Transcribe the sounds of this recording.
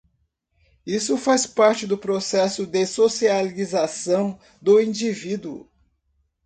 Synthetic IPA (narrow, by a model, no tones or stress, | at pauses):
isʊfajspaɾt͡ʃɪd̪ʊpɾosɛsʊd̪ɪsosializasɐ̃w̃ | d̪ʊĩd͡ʒivid̪uʊ̰